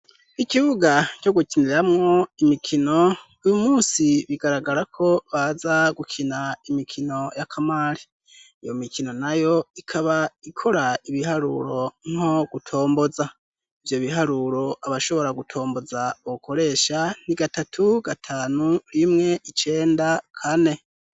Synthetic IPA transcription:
ikiβuɡaco̞ɡukiniɾamŋo̞imikʰino̞ | ujumuːsiβiɡaɾaɡaɾakʰo̞βazaɡukʰinaimikʰino̞jakʰamaːɾiː | jo̞mikʰino̞najo̞ikʰaβaikʰo̞ɾaiβiɦaɾṵɾo̞ŋ̥o̞ɡ̥utʰo̞ːmbo̞za | ivjo̞βiɦaɾuɾo̞aβaʃo̞βo̞ɾaɡutʰo̞ːmbo̞zauβukʰo̞ɾe̞ːʃan̥iɡatatʰuɡatʰaːnuɾimŋe̞ʔit͡ʃe̞ːndakʰane̞

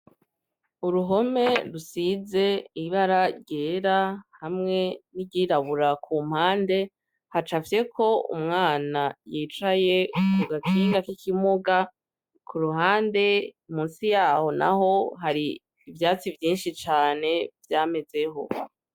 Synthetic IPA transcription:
uɾuɦo̞me̞ɾusize̞iβaɾaɾɟe̞ːɾahamŋe̞niɟiɾaβuɾakʰuːm̥haːnde̞ | hat͡ʃafje̞kʰo̞ṵmŋaːnajiːt͡ʃaje̞kuɡakʰiːŋɡakikʰimoɡa | kʰuɾuɦaːnde̞umuːnsijaːho̞na̰ɦo̞ɦaɾiː | vjaːt͡sivjiːnʃit͡ʃaːne̞vjaːme̞ze̞ɦo̞̰

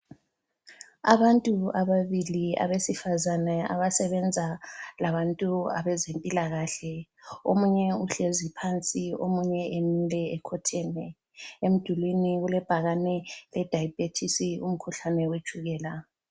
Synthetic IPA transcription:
a̰βantʼuaβaβilia̰βesifazanɛa̰βasɛβɛnd͡zʱalaβantʼua̰βɛzempʼilaɣaɬɛomuɲɛuɬezipʰant͡sʼio̰muɲɛʔemilɛɛkʰɔtʰɛnɛ | em̩d̥ʱulwiniɣulɛb̥ʱaɣanɛlɛd̥ʱajb̥ʱetʰisiṵm̩kʰuɬanɛwe̥ʒ̥ʱuɣɛːla

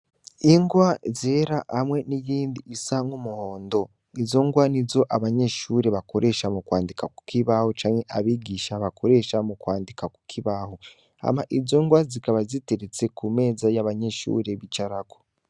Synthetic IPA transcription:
iŋɡwazeːɾahamwe̞nijiːndiisaŋumuhoːndo̞ | izo̞ŋɡwanizo̞ʔaβaɲeʃuɾe̞βako̞ɾʔe̞ʃamukwaːndikaku̥kʰiβahot͡ʃaːɲhe̞ʔaβiɡiːʃaβakʰo̞ɾe̞ʃamukwaːndikaku̥kʰiβaho | a̰maʔizo̞ŋɡwazikaβaziteɾet͡se̞kume̞ːzajaβaɲeʃṵɾe̞βit͡ʃaɾako̥

